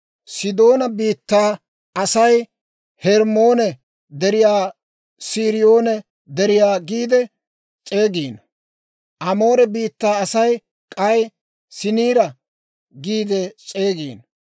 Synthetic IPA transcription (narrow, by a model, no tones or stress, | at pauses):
sɪd̪o̞ːnɐbiːt̪ːaː | ɐsɐj | hɛɾmo̞ːnɛ | d̪ɛɾɪjaː | siːɾɪjoːnɛ | d̪ɛɾɪjaːɡiːd̪ɛ | t͡sʼe̞ːɡiːn | ʔɐmo̞ːɾɛbiːt̪ːaːɐsɐj | kʼɐj | sɪniːɾɐ | ɡiːd̪ɛt͡ʃʼe̞ːɡḭːn